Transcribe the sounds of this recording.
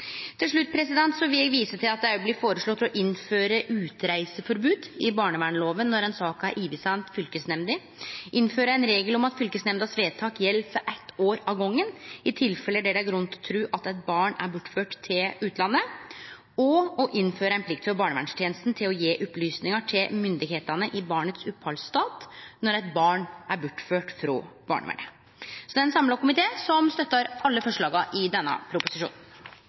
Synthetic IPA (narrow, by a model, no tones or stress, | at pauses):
t̪ʰɪlʂɭʉt̪ːpʰɾɛsɪd̪ɛnt̪sɔʋɪljæɡʋiːsət̪ʰɪlɑt̪̚d̪ɛæɾjblɪːfoːɾəʂɭɔt̪ʰːlɔʔɪnføːɾəʔʉːt̪ɾæɪsəfɔɾbʉːd̪ɪbɑːɳəʋæːɳloːʋənːɔɾɛnsɑːkæɾʔiːʋɪsɑnt̪fʏlkəsnɛmd̪ɪ | ʔɪnːføːɾəæɪnɾeːɡəlɔmɑt̪fʏlkəsnɛmd̪əɑsʋeːt̪ʰɑːkjɛlːfɔɾʔɛt̪ʰːoːɾɑʋɡɔŋːənɪt̪ʰɪlfɛlːəd̪ɛɖ̪ɛæɾɡɾʉnːt̪ʰɔt̪ʰɾʉːʔɑt̪ɛt̪̚bɑːɳæɾbʊʈːføːʈt̪ʰːɪlʉːt̪ʰlɑnːə | ɔɔʔɪnːføːɾəæɪpʰlɪk̚t̪fɔɾbɑːɳəʋæɳʂt̪jeːnəst̪n̩t̪ʰɪlɔjeːʔʊplyːsnɪŋɑʈʰɪlmʏnd̪ɪɡheːt̪ɑnəʔɪbɑːɳət̪sʉphɑlst̪ɑːt̪nɔɾæt̪̚bɑːɳʔæɾbʊʈːføːʈfɾɔːb̥ɑ̰ːɳə̰ʋæ̰ɳə | sɔd̪ɛnsɑmlɑkʊmɪt̪ʰeːsɔmst̪œt̪ːɑɾɑlːəfɔʂɭɑːɡɑʔɪd̪ɛnːə̰pʰɾʊpʊsɪʂṵːnn̩